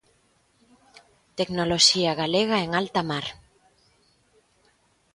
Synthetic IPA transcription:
t̪eknoloʃiaɣaleɣaeŋalt̪amaɾ

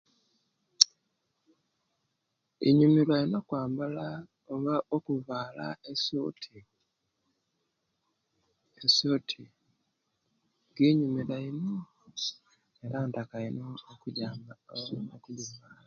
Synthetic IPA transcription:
ḭɲumilwainokwaːmbala | oβaʔokuvaːla̰esotʰi | eso̞ːtʰi | ɡiɲumiɾaino | eɾantakainoːkuɟaːmaokulumaa

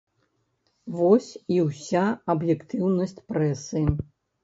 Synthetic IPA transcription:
vɔsʲiwsʲaɐbjɛkt̪ɨwnɐsʲt͡sʲpɾɛsɨ

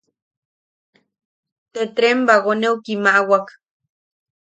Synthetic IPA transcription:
t̪et̪ɾembaɣonewkimaʔwak

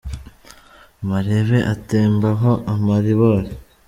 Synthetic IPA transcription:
maɾeβe̞ʔateːmbaɦoʔamaɾiβoɾe

